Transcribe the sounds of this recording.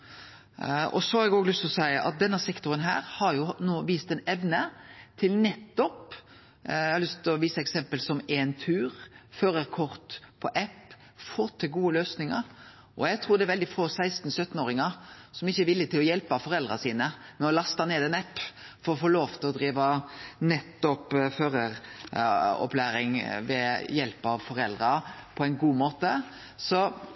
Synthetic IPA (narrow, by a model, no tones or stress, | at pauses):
ɔ̰sɔhɑɾɛɡoːɡlʉst̪ɔsæɪəʔɑ̰t̪̚d̪ɛnːɑsɛkt̪ʊɾənɦæ̰ːɾhɑɾjʊnoːʋiːst̪ɛnɛʋnət̪ʰɪlnɛt̪ːɔp | æhɑɾlʏst̪lɔʋiːsəɛksɛmpəlsɔmeːnt̪ʰʉːɾføːɾəɾkʰɔʁt̪pʰɔʔɛpː | foːt̪ʰɪlɡuːəløːsnɪŋɑ̰ɾ | ʔɔjæɡt̪ʰɾuːɾd̪ɛæɾʋɛld̪ɪfoːsæɪst̪n̩sœt̪ːn̩oːɾɪŋɑsɔmɪçːəɛɾʋɪlːɪt̪ɪlɔjɛlpɑfɔɾɛld̪ɾɑsiːnəmɛnɔlɑst̪ɑneːd̪ɛnɛpːfɔɾɔfoːloːʋt̪ʰɪlɔd̪ɾiːʋɑnɛt̪ːɔpføːɾəɾ | ɔ̰plæːɾɪŋʋɛjɛlpɑʋfɔɾɛld̪ɾɑpʰɔæɪnɡuːmoːt̪ə | sɔ